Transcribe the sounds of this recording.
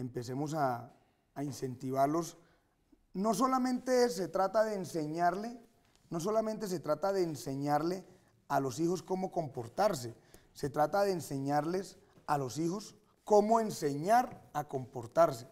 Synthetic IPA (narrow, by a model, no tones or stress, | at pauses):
empe̞se̞mos̬aː | inse̞nt̪iβaɾlo̞s | no̞s̬o̞lamẽ̞nt̪eset̪ɾat̪aðeːnseɲaɾle | no̞s̬o̞lame̞nt̪̬e̞s̬e̞t̪ɾat̪aðe̞ːnse̞ɲaɾle̞ | alo̞sixo̞sko̞mo̞ko̞mpo̞ɾt̪aɾs̬e | se̞t̪ɾat̪aðe̞ːnse̞ɲaɾle̞s | alo̞sixo̞s | ko̞mo̞ense̞ɲaɾako̞mpo̞ɾt̪aɾse̥